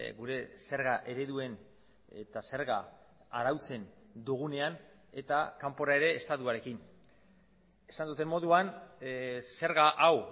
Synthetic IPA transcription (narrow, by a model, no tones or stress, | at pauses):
ɡuɾe̞se̞ɾɣaʔe̞ɾe̞ðue̞n | ḛt̪ase̞ɾɣa | aɾawt͡se̞nd̪uɣ̞une̞an | e̞t̪akampo̞ɾae̞ɾe̞ːst̪at̪uaɾe̞kin | e̞̥sand̪ut̪e̞mo̞ðuan | se̞ɾɣaʔaw